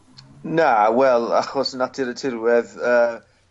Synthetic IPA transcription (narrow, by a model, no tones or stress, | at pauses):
nawɛlˠa̰χɔsənatʰɪɾətʰɪɾwɛðəː